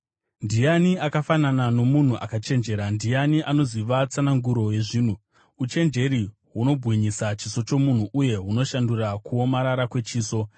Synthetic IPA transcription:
ndijaniakafananano̞mun̤uʔakat͡ʃe̞nd͡ʒe̞ːɾandijaniʔano̞ziʋat͡sanaŋɡuɾo̞je̞ʐiːn̤u | ut͡ʃe̞nd͡ʒe̞ɾi | ɦuno̞bʱɣiɲisat͡ʃiso̞t͡ʃo̞mun̤uʔuje̞ɦuno̞ʃandurakuo̞maɾaɾakwe̞t͡ʃiːso̞

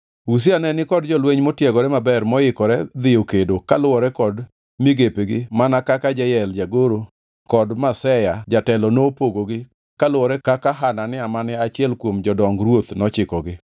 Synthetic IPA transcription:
us̬ianɛnɪkɔd̚d͡ʒɔlweɲmotjɛɡɔɾɛmabɛrmɔɪkɔɾɛd̪ɪjokedokalwɔɾɛkɔd | mɪɡepeɡɪmanakakad͡ʒɛjɛld͡ʒaɡoɾo | kɔdmasɛjad͡ʒatɛlɔnopoɡoɡɪ | kalʊwɔɾɛkakaɦananɪamanɛat͡ʃɪɛlkwomd͡ʒɔdɔŋɡɾwot̪nɔt͡ʃɪkɔɡɪ

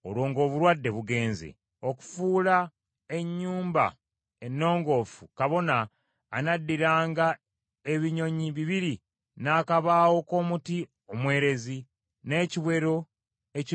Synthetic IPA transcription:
o̰lwo̞ːŋɡo̞ːβuɾwadːe̞βuɡe̞ːnzḛ | o̞ku̥fuːla | e̞ɲːuːmba̰ | enːo̞ːŋɡo̞ːfukaβo̞naː | nadːiɾaːŋɡa | e̞βiɲo̞ɲiβiβiɾi | naːkaβaːwo̞ko̞ːmuti | omwe̞ːɾe̞zi | ne̞ːciβwe̞ɾo̞ | ec

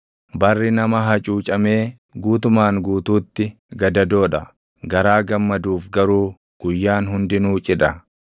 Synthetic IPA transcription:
bɐrːɪnɐmɐɦɐt͡ʃʼuːt͡ʃʼɐme̞ː | ɡuːt̪ʊmaːŋɡuːt̪uːt̪ːɪ | ɡɐd̪ɐd̪o̞ːᶑɐ̰ | ɡɐɾaːɡɐmːɐd̪uːfɡɐɾuː | ɡ̥ʊjːaːnɦʊnd̪ɪnuːt͡ʃʼɪᶑɐ

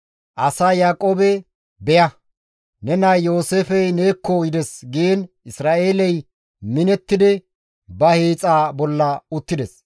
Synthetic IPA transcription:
ʔɐsaːjaːkʼoːbɛ | bɛjɐ | nɛnɐjo̞ːseːfɛjne̞ːkːɔjɪd̪ɛsɡen | ɪsɾaːʔe̞ːlɛj | mɪnɛt̪ːɪd̪ɪ | bɐheːt͡sʼaːbɔlːɐʊt̪ːɪd̪ɛs

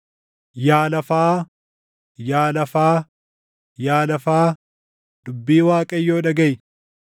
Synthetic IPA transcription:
jaːlɐfaː | jaːlɐfaː | jaːlɐfaː | d̪̥ʊbːiːwaːkʼɐjːoːᶑɐɡɐj

